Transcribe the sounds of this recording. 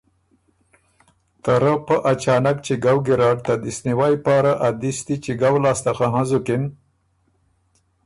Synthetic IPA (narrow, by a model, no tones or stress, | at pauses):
t̪aɾəpəʔat͡ʃɑːnakt͡ʃiɡawɡiɾɑːɖt̪ad̪isniwajpɑɾaʔad̪ist̪it͡ʃiɡawlɑːst̪axaɦãzukɪn